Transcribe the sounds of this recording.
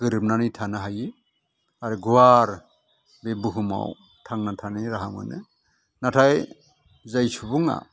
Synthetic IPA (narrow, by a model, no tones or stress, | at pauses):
ɡ̥ɯɾɯp̚nanɯjtʰanɯɦajɯ | aɾɯɡuwaɾ | bebuɦɯma̰w | tʰaŋnatʰanɯɾaɦaŋɯ̰nɯ̰ | natʰaj | zajsubuŋa̰